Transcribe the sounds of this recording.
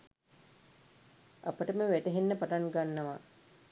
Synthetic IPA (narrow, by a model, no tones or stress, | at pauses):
a̰pəʈəməʋæʈəɦinːəpaʈaŋɡanːɐʋa̰